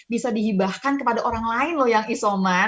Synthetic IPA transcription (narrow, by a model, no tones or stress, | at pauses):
bisadiɦibahkankəpadaʔoɾaŋlaɪnlʊhjaŋisoma